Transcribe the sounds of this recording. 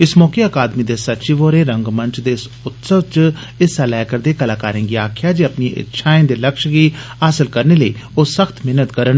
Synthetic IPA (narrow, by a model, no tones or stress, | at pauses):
ɪsmɔːkeːəkaːd̪miːd̪eːsətːt͡ʃiʋoːɾeːɾəŋɡməɲt͡ʃd̪eːɪs | ʊt̪səʋt͡ʃ | ɪsɛlɛːkəɾd̪eːkəlaːkaːɾẽːɡiaːkʰjaːd͡ʒiːəpniʔɪ̰tːʃʰaːẽnd̪eːləkʃɡiːɦaːsɪlkəɾneːləiːoːsəkʰt̪mɪɦnət̪kəɾən